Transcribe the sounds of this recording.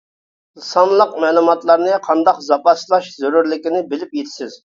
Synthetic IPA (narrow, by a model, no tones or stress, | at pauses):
lɨsɑnlˠəqmɛːlˠumɑt̪lˠɑɾnɨqʰɑnd̪ɑqzɑpɑslˠɑʃzoɾuɾlɪkʲinɪbɪlɪpjet̪ʰɪ̥sɪz̥